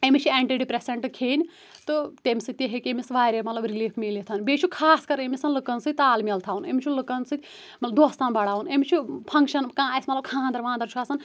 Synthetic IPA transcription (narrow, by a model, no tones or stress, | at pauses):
emit͡ʃʰieːɳʈiːɖipɾeseɳʈkʰeːnʲ | t̪ɨt̪emʲisɨt̪iɦekʲemisʋaːɾʲemɐt̪lɐbɾiliːfʰmiːlit̪ʰɐnbeːt͡ʃʰukʰaːskɐɾemʲisɐnlɨkɐnsɨt̪aːlmilt̪ʰaːuneːmʲit͡ʃʰulɨkɐnsɨt̪ʰʲ | mɐt̪lɐbd̪oːst̪aːnbɐɽaːunemit͡ʃʰupʰɐŋkʃɐnkãːɐsmɐt̪lɐb̚kʰãːnd̪ɐɾʋãːnd̪ɐɾt͡ʃʰuɐsɐn